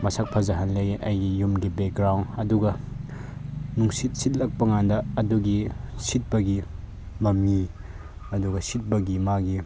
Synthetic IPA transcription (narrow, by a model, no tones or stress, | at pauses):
mɐsak̚pʰɐzɐɦɐnleɡʔɐjɡijumɡibek̚ɡɾawnɐduɡɐ | nuŋsit̚sit̚lɐk̚pɐŋandɐːduɡisit̚bɐɡi | mɐmːi | ɐduɡɐsit̚bɐɡimaɡi